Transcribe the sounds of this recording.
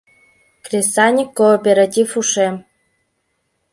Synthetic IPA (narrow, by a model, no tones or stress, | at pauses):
krʲesanʲikːoːpʲeɾatʲifuʂe